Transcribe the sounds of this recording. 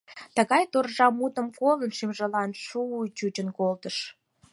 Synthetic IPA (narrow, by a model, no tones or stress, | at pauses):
t̪əɣɑjt̪orʒɑmut̪ə̆mkolənʃimʒə̆lɑnʃuːt͡ɕut͡ɕənkolt̪əʃ